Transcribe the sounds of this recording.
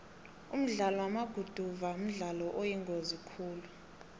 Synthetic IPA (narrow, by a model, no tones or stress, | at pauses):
um̩ɮalɔwamaɡ̥ʱud̥ʱuvaum̩ɮalɔʔojiŋɡʱozikʰuːlu